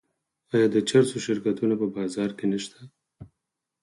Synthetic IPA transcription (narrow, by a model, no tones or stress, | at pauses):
ɑjɑd̪ət͡ʃaɾsoʃɪɾkat̪unapəbɑzɑɾkenəʃt̪a